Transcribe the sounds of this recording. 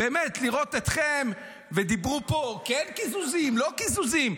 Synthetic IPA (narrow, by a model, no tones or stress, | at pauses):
beːmet̪liʁot̪et̪χem | ved̪ibʁupo̞kɛnkizuzimlo̞kizuzim